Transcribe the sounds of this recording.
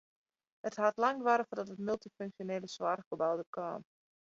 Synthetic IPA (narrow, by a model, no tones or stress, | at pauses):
həthatlaŋtʋaɾəfordɔtətmylˠtiføŋksjoneːləsʋaːrkobawdərkʰa̰ːm